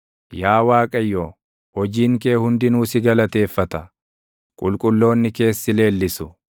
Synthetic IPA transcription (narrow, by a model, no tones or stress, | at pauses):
jaːwaːkʼɐjːoː | hɔd͡ʒiːŋke̞ːhʊnd̪ɪnuːsɪɡɐlɐt̪e̞ːfːɐt̪ɐ | kʼʊlkʼʊlːo̞ːnːɪke̞ːsːɪle̞ːlːɪsʊ